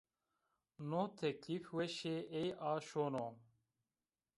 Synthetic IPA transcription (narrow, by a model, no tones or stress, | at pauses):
noːt̪ʰɛkliːfwɛʃeʔejaːʃoːno